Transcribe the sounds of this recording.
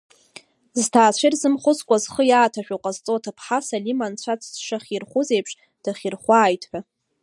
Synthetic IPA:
ztʰaːt͡ɕʷʰɪrzɨmχʷʊt͡skʷʼazχəjaːtʰaʃᶣaqʼazt͡sʼotʰapʰħasalimant͡ɕʷʰat͡sʰsʂaχʲirχʷʊzejpʰʂʼ | d̥aχʲirχʷaːjtʰʼħᶣa

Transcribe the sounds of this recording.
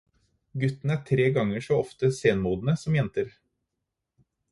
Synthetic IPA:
ɡʉt̪ːn̩æʈʰɾeːɡɑŋəʂɔɔft̪əseːnmuːd̪n̩əsɔmjɛnt̪əɾ

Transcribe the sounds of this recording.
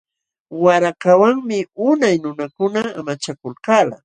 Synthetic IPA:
waɾakawaŋmɪʊnajnʊnakʊnaːmat͡ʃakʊlkaːla̰

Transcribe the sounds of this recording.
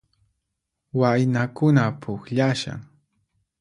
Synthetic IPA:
wajnakʊnapʰʊkʎaʃa̰ŋ

